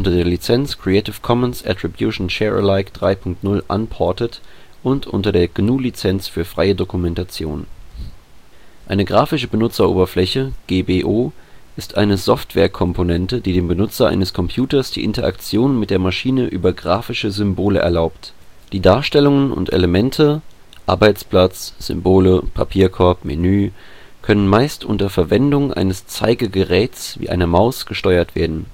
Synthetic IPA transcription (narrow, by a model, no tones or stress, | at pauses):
ʔʊntɐdeːɐlit͡sɛnt͡skʁ̥iɛtɪfkʰɔmənsʔɛ̰tʁ̥ibjuʃn̩ʃɛʁə̰laɪkd̥ʁaɪpʰʊŋk̚tnʊlʔa̰npʰɔɐtətʔʊntʔʊ̰ntɐdeːɐɡ̥nuːlit͡sɛnsfyːɐfʁ̥aɪədokumɛntat͡sjo̰ːn | ʔa̰ɪnəɡʁaːfɪʃəbənʊt͡sɐʔo̰ːbɐflɛçəɡ̥eːbeːʔoːʔɪstʔa̰ɪnəzɔftv̥ɛ̰ːɐkʰɔmponɛntəd̥iːdeːmbənʊt͡sɐʔa̰ɪnəskʰɔmpʰjuːtɐsd̥ḭːʔɪntɐʔa̰kt͡sjoːnmɪt̚d̥eːɐmaʃiːnəʔyːbɐɡʁaːfɪʃəzʏmboːlə̰ʔɛ̰ɐlaʊpt | d̥iːdaːɐʃtɛlʊŋənʊ̰ntʔḛləmɛntʰə | ʔaɐbaɪt͡spl̥at͡sz̥ʏ̰mboːləpʰa̰pʰiːɐkʰɔɐpmḭnyː | kʰœnənmaɪstʔʊ̰ntɐfɛɐvɛndʊŋʔa̰ɪnəst͡saɪɡəɡəʁɛːt͡svḭːʔaɪnɐmaʊsɡ̥əʃtɔʏɐtv̥eːɐdn̩